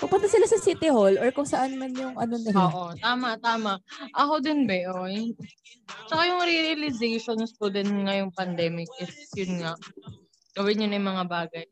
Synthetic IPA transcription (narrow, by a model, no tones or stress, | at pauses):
pɐpʊnt̪ɐsɪlasɐsiːt̪ɪholʔoɹkʊŋsɐʔanmanjʊŋʔɐnonɐloːʔo̞t̪aːmɐʔt̪aːmɐʔɐkod̪ɪnbɛʔoʔoj | t͡ʃɐkajʊŋɾiɾɐlɪzejʃonspod̪ɪnŋɐjʊŋpɐnd̪ɛːmɪk̚ʔɪsjʊnŋaʔ | ɡ̥ɐwɪnːonɐjmɐŋabaːɡɐj